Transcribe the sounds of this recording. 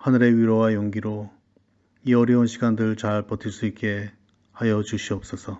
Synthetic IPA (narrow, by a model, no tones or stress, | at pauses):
hanɯɾe̞ɥiɾʌwajoŋɡiɾo | iʌɾjʌunɕʰiɡandɯɭt͡ɕaɭpʌtʰiɭs͈uik̚k͈e̞ | hajʌt͡ɕuɕʰiʌp̚s͈ʌsʰʌ